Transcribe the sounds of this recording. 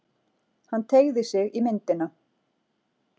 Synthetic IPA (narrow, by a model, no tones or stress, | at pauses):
hanːt̪ʰeːjɣðɪsɪɣimɪnt̪ɪna